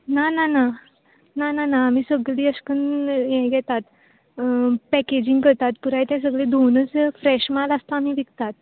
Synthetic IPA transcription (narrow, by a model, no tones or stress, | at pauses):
nanana | nananaːm̤iːsəɡɭiːəskənjɛɡɛt̪at̪ | pɛked͡ʑiŋɡkəɾt̪at̪puɾajt̪ɛ̃s̬əɡɭẽd̪ʱonət͡sfɾɛɕmaləst̪aːmiːʋikt̪at̪̚